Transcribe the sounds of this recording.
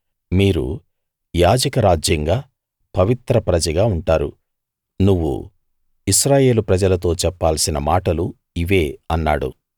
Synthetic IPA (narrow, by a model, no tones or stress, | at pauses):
miːɾṵ | jaːd͡ʒɐkɐɾaːd͡ʒjɐŋɡaː | pɐʋit̪ɾɐpɾɐd͡ʒɐɡaːuɳʈaːɾṵ | nuʋːṵ | iʃɾaːje̞ːlupɾɐd͡ʒɐlɐt̪o̞ːt͡ʃɛpːaːlsinɐmaːʈɐlu | iʋe̞ːɐnːa̰ːɽṵ